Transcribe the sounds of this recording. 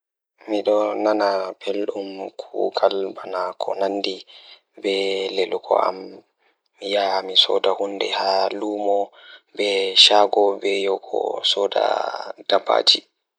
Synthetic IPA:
miɗɔnanabelɗumkʰuɡalbanakʰɔnanːdi | bɛlelukʰɔ̰ʔa̰m | jamisɔ̰dahundɛhaluːmɔbɛʃaːɡɔbɛjɔkʰɔ̰sɔːda̰d̥abːa̰ːd͡ʒi

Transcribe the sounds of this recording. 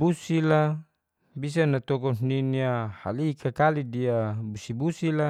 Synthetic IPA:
busila | bis̬anːat̪ɔkɔniniaha̰likʰakalidiabusibusila

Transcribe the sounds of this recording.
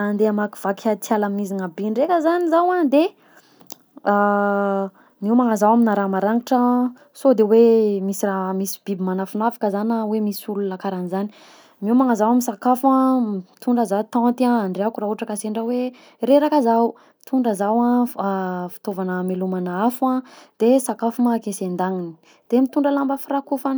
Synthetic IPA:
and̪eamaki̥v̥akʰat̪jalamnizinabiɳɖ͡ʐekəzanizawãd̪e | a | miwmaŋazawaminaɾamaɾaŋiʈ͡ʂə | sod̪ewemisiramisi̥bibimanafunafḁkəzanawemisululakaɾanizani̥ | miumaŋazawaminsakafãt̪uɳɖ͡ʐəzat̪ɔ̃t̪iãaɳɖ͡ʐeakurauʈ͡ʂəkaseɳɖ͡ʐawe | ɾeɾakazaw | t̪ʰuɳɖ͡ʐəzawã | fi̥t̪ovanəmelumanaafuãd̪̥esakafumakesend̪aŋini̥ | d̪̥emit̪uɳɖ͡ʐəlambəfirakufan

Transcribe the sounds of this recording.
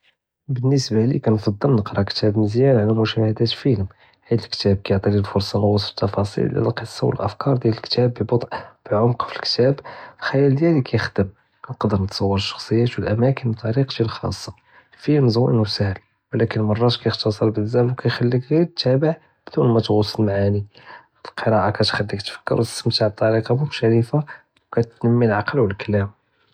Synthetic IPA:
bənːəsbalḭkænfɑd̪ˤːəlnəqɾˤɑkt̪æbməzjænʕalæmʊʃæhəd̪æt̪lfilm | hid̪əlkt̪æb̚kæjəʕt̪ˤililfʊɾsˤɑnɑwɑsə̥t̪ːɑfɑsˤḭl̰æ̰lqəsˤːɑwə̰lʔəfkɑɾˤd̪jæləlkt̪æbːibot̪ˤʕb̥əʕʊmqfilkt̪æblxæjæld̪jælikʰæjəxd̪əm | nqɑd̪əɾnət̪sˤɑwːəɾəʃːɑ̥xsˤəjːæt̪wəlʔæmækənbt̪ˤːɑɾiqʒilxɑ̰sˤːɑ | fimzˤuʔə̰nwsæhəl | wlækənmɑrˤːɑt̪kæjəxt̪ɑsˤəɾbəzæmwkæjxælːikɣidt̪ːæbəʕ | bd̪unmæt̪ɣʊsˤːəlmaʕani | əlqəɾˤɑʔakæt̪xælːikt̪fə̥kːə̰ɾw̪səmt̪aʕb̚t̪ˤːɑɾiqɑmʊʃæɾifa | wkæt̪nəmːilʕɑqəlwəlkælæm

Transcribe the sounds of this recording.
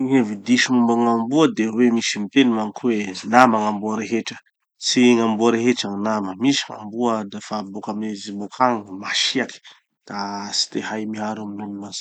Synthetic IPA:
evid̪iʃumumbaŋambuəd̪ewemisimit̪enimaŋikwenamaŋambuaɾeɦeʈ͡ʂə̥ | siŋambuaɾeɦeʈ͡ʂaŋnaməmisi̥ŋa̰mbuəd̪afabokaminizibokʰaŋmaʃiaki̥ | d̪̥asi̥t̪eɦajmiɦaɾuminunmas

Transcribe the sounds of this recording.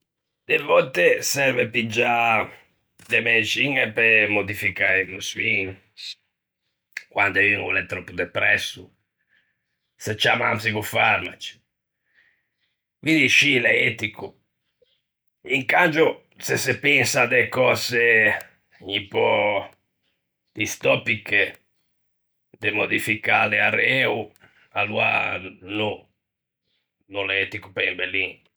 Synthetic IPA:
d̪̥evɔt̪esɛɾvepid͡ʒa | d̪emet͡ʃiŋɛpemod̪ifikaimuswiŋ | kwand̪ainṵlɛt̪ːɾɔpːud̪ɛpɾɛsːu | set͡ʃːama̰msikufaɾmat͡ʃi̥ | kwind̪iʃilɛet̪iku | iŋkand͡ʒo | sesepɛnsad̪ɛkɔːse | ɲipɔ | d̪ist̪ɔpikːe | d̪emod̪ifikaleaɾɛu | alːua̰nu | nulɛt̪ikupɛimbeli

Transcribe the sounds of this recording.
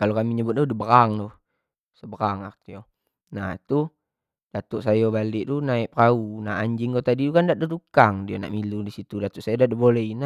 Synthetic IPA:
kalokamiɲəbʊt̪̚dudəbəɾaŋdɔh | səbəɾaŋa̰kt̪ijo | nat̪u | d̥at̪uʔsajobaliʔt̪unaiʔpraunaʔaɲd͡ʒiŋɡot̪adit̪ukandaʔdətukaŋdiana̰ʔmiludisit̪udat̪uʔsajodaʔdəbolɛina

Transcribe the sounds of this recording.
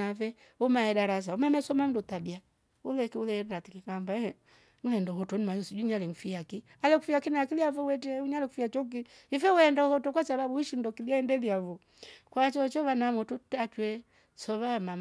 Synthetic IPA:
avɛ | umaɛdaɾas̬aumamɛsɔmam̩dutabia | ulɛkiulɛɾaɾatikikambaɛ | ŋ̩lɛndɔhɔtɔnimajɔsid͡ʒuɲalɛŋfiaki | alɛkufiakinaakiliavɔwɛtɛuɲalɛkufiat͡ʃɔk̬i | ifɛwɛndahɔtɔkwasaβabuiʃindɔkiliaɛndɛðiavɔ | kwat͡ʃɔt͡ʃɔβanamɔtutat͡ʃwɛ | sɔβamam

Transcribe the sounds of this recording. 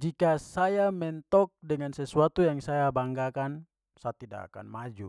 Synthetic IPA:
d͡ʒikasajamɛnt̪ɔk̚dɛŋansɛsuat̪ujaŋsajabaŋɡakan | saat̪ida̰ka̰ka̰nmad͡ʒu

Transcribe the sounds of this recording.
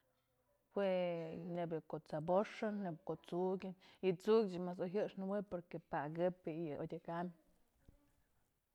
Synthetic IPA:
hwenebɨkot͡saboʂɨnːebkoʔt͡suɡʲɨnit͡suɡʲt͡ʃimas̬oɦɨʂnɨwepoɾkepaɡɨpejɨʔodʲekam

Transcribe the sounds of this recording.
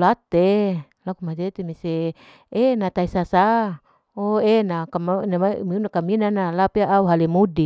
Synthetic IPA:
lat̪e | lakumad͡ʒet̪emise | enat̪aisasa | oenakamanamamiunakaminanalapiaʔauɦalimudi

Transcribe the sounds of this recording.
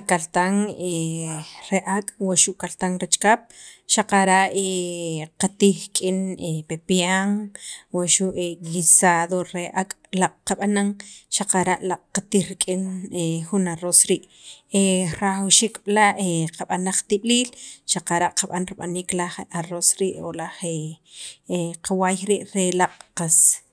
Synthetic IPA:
kalt̪aŋe | ɾeʔakʼwaʃuʔkalt̪aŋɾet͡ʃkap̚ʃaqaɾaʔeqat̪iχkʼinepepjaŋwaʃuʔelisaðoɾeʔakʼlaʔʼqaɓanaŋʃaqaɾaʔlaʔʼqat̪ihɾikʼinexunaɾosɾiːʔeɾawʃikɓ̥laʔeqaɓanaχt̪iɓliːlʃaqaɾaʔqaɓanɾiɓaniːklaχaɾosɾiːʔo̰laχe | qawajɾiːʔɾelaqʼqas

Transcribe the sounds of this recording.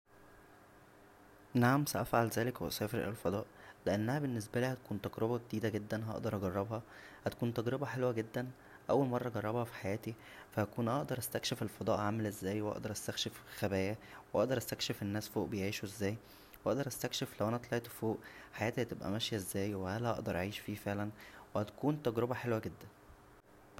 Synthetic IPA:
naʕamsæʔæfʕalzæːlekweʔsæːfeɾ̰elfɑd̪ˤɑːʔleʔenːæhæbenːes̬bæliːhæt̪æ̥kuːnt̪æɡɾebɑɡed̪iːd̪æɡed̪ːænɦɑ̰ʔd̪ɑɾˤʔɑɡɑrˤːɑbhɑ | hæt̪ækuːnt̪æɡɾebɑħelwæɡed̪ːæn | ʔæwːælmɑrˤːɑɡɑrˤːɑbhɑfi̥ħajæːt̪i | fæhækuːnʔɑʔd̪ɑɾˤʔæst̪ækʃefelfɑd̪ˤɑːʔʕamælʔezːæːjweʔɑ̰ʔd̪ɑɾˤʔæst̪ækʃefxæbæːjæweʔɑ̰ʔd̪ɑɾˤʔæst̪ækʃefenːæːsfoːʔbejʕiːʃuʔezːæːj | wʔɑʔd̪ɑɾˤʔæst̪ækʃeflæwʔænæʔt̪ˤlʔt̪foːʔħajæːt̪ihæt̪ebʔæ̰mæʃjæʔezːæːjweʔælæʔɑ̰ʔd̪ɑɾˤʔʕiːʃfiːfeʕlænwehæt̪æ̥kuːnt̪æɡɾobæħelwæɡed̪ːæn

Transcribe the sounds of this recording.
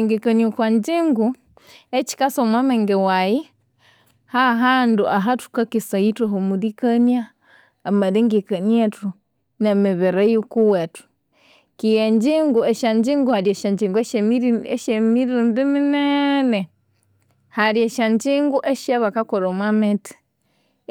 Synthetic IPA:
ŋɡɛkaniokwaɲd͡ʒiŋɡu | et͡ʃi̥kasomwamɛŋɡɛwaji | haɦanduʔaɦatu̥kakisaituɦomudikaniaː | maðiŋɡɛkanietu | nemɛβɛɾajukuwɛtu̥ | kijeɲd͡ʒiŋɡueʃaɲd͡ʒiŋɡuhaɾieʃaɲd͡ʒiŋɡue | ʃemiɾundiminɛnɛ | haɾieʃaɲd͡ʒiŋɡuʔeʃaβakakoɾomwamɛti̥

